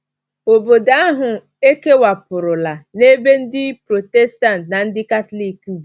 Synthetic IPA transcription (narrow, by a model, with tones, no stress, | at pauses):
o˨bo˨da˦a˦ɦʊ˨ | e˦ke˦wa˨pʊ˨ɾʊ˨la˨ne˦be˦n̩˦dɪ˦pɾo˨tɛ˦sta˦ntna˨n̩˦dɪ˦ka˦tli˦˨ku˦b